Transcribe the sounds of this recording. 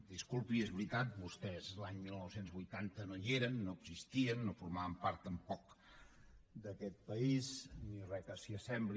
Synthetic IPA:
d̪iskulˠpiezβɾit̪at̪̚bust̪ɛzlaɲmilˠnɔwsenzβujt̪ant̪ənojeɾənːoəɡzist̪iənːofuɾmaβəmpaɾt̪əmpɔk̚ | d̪əkɛt̪̚pəiznirɛkəsiəsɛmbli

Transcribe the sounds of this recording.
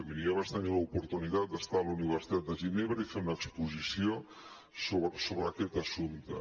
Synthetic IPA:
əβiniəβat͡ʃt̪əniləupuɾt̪unit̪at̪̚d̪əst̪aəluniβ̞əɾsi̥t̪at̪̚d̪əʒineβɾəifeunəkspuzisio | soβɾəsoβɾəkɛt̪əsunt̪

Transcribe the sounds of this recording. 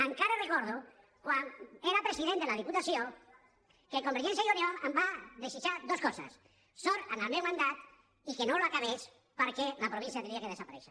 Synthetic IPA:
aŋkaɾerekɔɾðu | kwaneɾapɾesiðend̪elaðiput̪asjo | kelkombeɾʒɛ̃nsjajunjoɾambaðesit͡ʃad̪oskɔsa̰sː | oɾanalmewmãnd̪at̪ | ikenoloakaβes | paɾkelapɾoβĩnsjat̪ɾiakeð̞esapaɾɛʃa

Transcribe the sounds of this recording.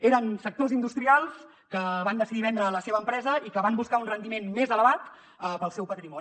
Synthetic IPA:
eɾənsək̚t̪ozind̪ust̪ɾialˠs | kəβand̪əsiðiβɛnd̪ɾəːləseβəːmpɾɛzəikəβambuskaunrənd̪imenmezələβat̪ | əpəlˠsɛwpət̪ɾimɔ

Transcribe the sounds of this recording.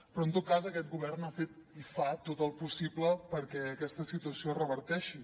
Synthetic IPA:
pɾɔənt̪ot̪̚kazəkɛt̪̚ɡuβɛrnafet̪̚ifat̪ot̪əlˠpusibləpəɾkɛəkɛst̪əsit̪uəsiorəβəɾt̪ɛʃi

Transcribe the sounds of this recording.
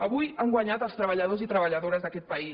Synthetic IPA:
əβujaŋɡwaɲat̪əlˠst̪ɾəβəʎəðozit̪ɾəβəʎəðoɾəzðəkɛt̪̚pəi

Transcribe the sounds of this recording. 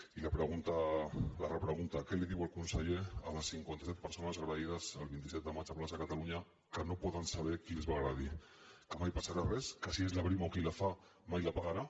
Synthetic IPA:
ilapɾeɣ̞unt̪alarapɾeɣ̞unt̪akeleðiwalkunsaʎea̰βasiŋkwent̪asɛt̪̚peɾso̞nazɣɾaiðazalβint̪isɛt̪̚amat͡ʃaplasakat̪aluɲa | kano̞poðansaβekiezβaɣɾaði | kamajpasaɾareskasiezlaβɾimawkilafa | majlapaɣaɾa

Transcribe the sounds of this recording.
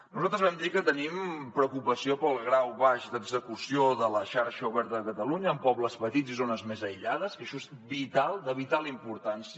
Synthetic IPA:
nuzalˠt̪ɾəzβɛmd̪ikət̪ənimpɾəkupəsiopəlˠɣɾawβaʃd̪əɡzəkusioðələʃaɾʃəuβɛɾt̪əðəkət̪əluɲəːmpɔβləspət̪izizonəzmezəjʎaðəskəʃɔez | βit̪alˠd̪əβit̪alˠimpuɾt̪ansi

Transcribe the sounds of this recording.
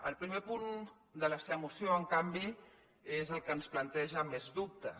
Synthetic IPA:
ə̰lˠpɾimepun | d̪ələseəmusjoəŋkambi | ezəlˠkənsplənt̪ɛʒəmezðup̚t̪ə

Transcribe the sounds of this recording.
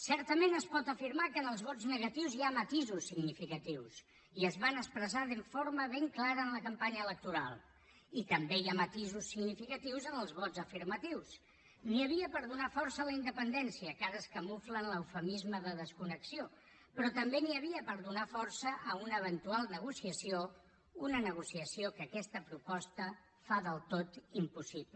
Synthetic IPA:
sɛɾt̪əmenəspɔt̪əfiɾmakənəlˠzβɔd͡znəɣət̪iwziamət̪izusːiɡnifikət̪iws | iəzβanəspɾəzaðəɱfoɾməβeŋklaɾəːnləkəmpaɲəːlək̚t̪uɾa̰lˠ | it̪əmbejamət̪izusːiɡnifikət̪iwzənəlˠzβɔd͡zzəfiɾmət̪iws | niəβ̞iəpəɾðunafɔɾsələind̪əpənd̪ɛnsiəkazəskəmuflənləwfəmizməðəðəskunəksio | pɾɔt̪əmbeniəβ̞iəpəɾðunafɔɾsəʔəunəːβ̞ənt̪ualˠnəɣ̞usiəsio | unənəɣ̞usiəsiokəkɛst̪əpɾupɔst̪ə | faðəlˠt̪ot̪impusiplə

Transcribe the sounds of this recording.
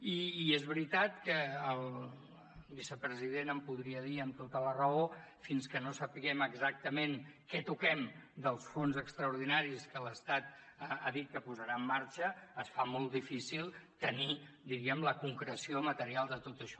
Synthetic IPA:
iːezβɾit̪at̪kəːlˠ | βisəpɾəziðenəmpuð̞ɾiəðiəmt̪ot̪ələrəo | finskənosəpiɣɛməɡzak̚t̪əmenkɛt̪ukɛmd̪əlˠsfonzəkst̪ɾəuɾð̞inaɾiskələst̪at̪̚ | aðit̪̚kəpuzəɾaəmːaɾt͡ʃəːsfamolˠt̪d̪ifisilˠt̪əni | d̪iɾiəmləkuŋkɾəsiomət̪əɾialˠd̪ət̪ot̪əʃɔ̥

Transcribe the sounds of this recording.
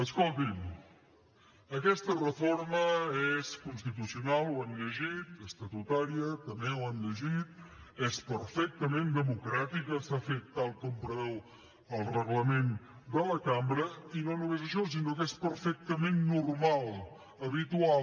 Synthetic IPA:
əskolˠt̪im | əkɛst̪ərəfoɾməeskunst̪it̪̬usiunalˠwanʎəʒit̪əst̪ət̪ut̪aɾiət̪əmewanʎəʒit̪̚ | espəɾfɛk̚t̪əmend̪əmukɾat̪ikəsafet̪ːalˠkɔmpɾəβɛw | əlˠrəɣləmen | d̪ələkambɾəinonumezəʃɔs̬inokespəɾfɛk̚t̪əmenːurmalˠ | əβit̪ua

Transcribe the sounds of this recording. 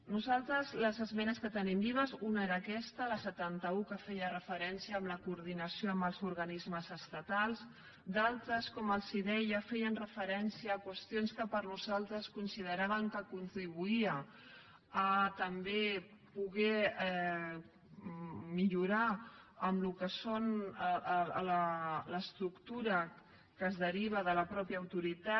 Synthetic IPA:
nuzalˠt̪ɾəzləzəzmɛnəskət̪ənimbiβəzunaeɾaːkɛst̪ələsət̪ant̪əukəfɛjərəfəɾɛnsiəːmləkuːɾð̞inəsijoəmbəlˠzuɾɣɐnizməzəst̪at̪alˠs | d̪alˠt̪ɾəskɔməlˠsiðɛjjafɛjənrəfəɾɛnsiəːkwəst̪ionskəpəɾnuzalˠt̪ɾəskunsiðəɾaβ̞əŋkəkunt̪ɾiβuiəː | t̪əmbe | puɣɛ | miʎuɾaəmlukəson | lələst̪ɾukt̪uɾə | kəːzðəɾiβ̞əðələpɾɔpjəːwt̪uɾit̪a

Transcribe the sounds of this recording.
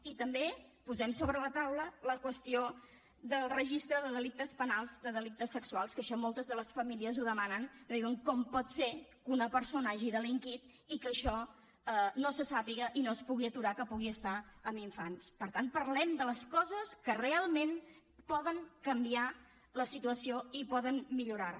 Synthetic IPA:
it̪əmbepuzɛmsoβɾələt̪awlələkwəst̪io | d̪əlˠrəʒist̪ɾəðəðəlik̚t̪əspənalˠzd̪əðəlik̚t̪əsːəksualˠskəʃɔmolˠt̪əzðələsfəmiliəzuðəmanəŋðiwəŋkɔmpɔt̪se | unəpəɾsonaʒiðəliŋkit̪ | ikəʃɔ | ənosəsapiɣəʔinoəspuɣiət̪uɾakəpuɣiəst̪aəmiɱfanspəɾt̪ant̪̚pəɾlɛmd̪ələskɔzəskərealˠmen | pɔðəŋkəmbia | ləsit̪uəsioipɔðənmiʎuɾar

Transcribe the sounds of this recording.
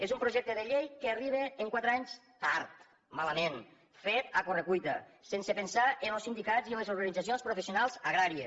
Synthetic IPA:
ezumpɾuʒɛk̚t̪əðəʎejkeːriβ̞eːŋkwat̪ɾaɲs | t̪aɾt̪ | maləmen | fet̪akorəkujt̪ə̰sensepensaʔenəlˠsind̪ikaziəlezuɾɣanid͡zasionspɾufesijunalˠzaɣɾaɾie

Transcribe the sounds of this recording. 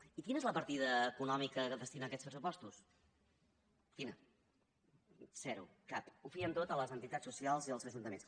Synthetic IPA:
ikinəezləpəɾt̪iðəːkunɔmikəkəðəst̪inaːkɛtspɾəsupɔst̪us | kinə | z̥ɛɾṵkapufiənt̪ot̪ələzənt̪it̪at͡ssusialˠziəlˠzəʒunt̪əmḛns

